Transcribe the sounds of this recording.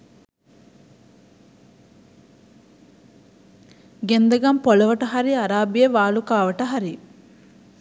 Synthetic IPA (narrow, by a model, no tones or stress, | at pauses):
ɡend̪ɐɡɐmpolɐʋɐʈɐɦɐɾiɐɾaːbijeʋaːlukaːʋɐʈɐɦɐɾi